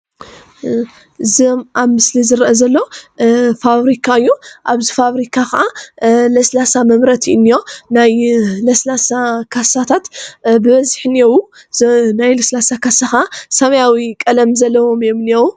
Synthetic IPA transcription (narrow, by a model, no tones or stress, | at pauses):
ʔɨziomʔaβmɨslizɨɾʔɐzɐlːo | faβɾikʰaɨjːuʔaβzifaβɾikʰaxɐʔalɐslasamɐmɾɐt̪ʰiʔɨnːijo̞najlɐslasakʰasat̪ʰat̪bɨβɐzħniewu | najlɐslasakʰasaxasɐmɐjawikʼɐlɐmzɐlːɐwo̞mjomniewu